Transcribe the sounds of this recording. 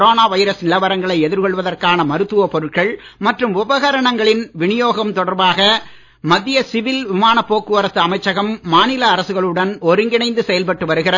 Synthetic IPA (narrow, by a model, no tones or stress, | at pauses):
ɾoːnaːʋɐɪɾɐsnɪlɐʋɐɾɐŋɡɐɭɐɪɛðɪɾkɔɭʋɐðɐrkaːnɐmɐɾɯt̪ːɯʋɐpɔɾɯʈ̚kɐɭmɐʈrɯmʊbɐɣɐɾɐɳɐŋɡɐɭɪnʋɪɳɪjoːɣɐmt̪ɔɽɐɾbaːɣɐ | mɐðːɪjɐsɪʋɪlʋɪmaːnɐpːoːkːɯʋɐɾɐsɐɐmɐɪt͡ʃːɐɣɐmːaːnɪlɐːɾɐsɯɣɐɭɯɽɐnɔɾɯŋɡɪnɐɪnd̪ɯsɛjɐlpɐʈːɯʋɐɾɯɣɪrɐ